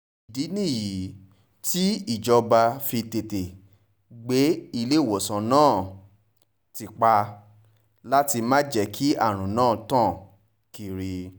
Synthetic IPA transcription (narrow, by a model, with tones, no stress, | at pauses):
i˨di˨˦nĩ˦˨ji˨˦ | ti˦i˦˨d͡ʒɔ˧ba˧fi˧te˨te˨ | ɡ͡be˨˦i˧le˦˨wo˨sã˨nãː˦˨ | ti˨k͡pa˧ | la˦ti˧mã˦d͡ʒɛ˧˨kʰi˦a̰˦˨ɾ̃ũ˨nãː˦˨tãː˦˨ | ki˨ɾi˧